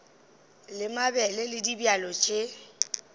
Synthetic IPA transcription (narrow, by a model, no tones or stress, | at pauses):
lɪmabɛlɛlɪdibjalɔt͡ʃʼɪ